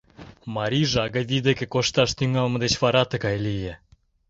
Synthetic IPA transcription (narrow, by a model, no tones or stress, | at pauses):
mɑɾʲiʒɑɣɑβid̪ekĕkoʃt̪ɑʃt̪yŋɑlmɤ̆d̪et͡ɕfɑɾɑt̪ə̆kɑjlije